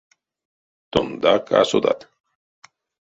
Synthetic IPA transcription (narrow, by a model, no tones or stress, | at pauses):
t̪ond̪akʰa̰sod̪a̰t̪